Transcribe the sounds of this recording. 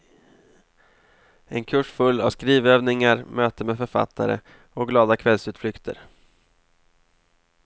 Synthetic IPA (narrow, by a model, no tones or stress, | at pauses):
ɛnkʰɵʂfɵlːa̰vskɾiːvøːvnɪŋaɾmøːt̪əmeːd̪fœɾfa̰t̪ʰːaɾə̰ | ɔɡlɑːd̪akʰvɛlsʉːt̪flʏkt̪ʰə̰ɾ